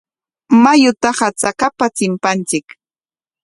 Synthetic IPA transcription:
majʊt̪aχat͡sakapat͡sɪmpant͡ʃɪk

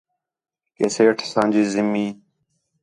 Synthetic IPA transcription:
keseːʈʰsãːnʲd͡ʑizimiː

